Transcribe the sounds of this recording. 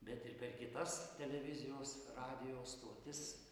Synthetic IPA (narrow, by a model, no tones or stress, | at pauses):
bʲɛt̪ɪrpʲɛrkʲɪt̪ɐst̪ʲɛlʲɛʋʲɪzʲɪjoːsrɑːd̪ʲɪjoːst̪uɔt̪ʲɪs